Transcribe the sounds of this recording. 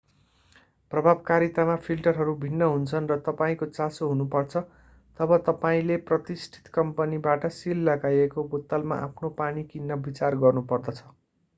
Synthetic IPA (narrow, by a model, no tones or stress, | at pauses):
prʌbʱabkaɾit̪amapʰilʈʌrɦʌɾubʱinːʌɦunt͡sʰʌnrʌt̪ʌpaĩkot͡sasoɦunupʌrt͡sʰʌ | t̪ʌbʌt̪ʌpaĩleprʌt̪isʈʰi̥t̪kʌmpʌnibaʈʌsilːʌɡajekobot̪ːalma̰ʔapʰnopaɽikinːʌbit͡sarɡʌrnupʌrd̪ʌt͡sʰʌ̥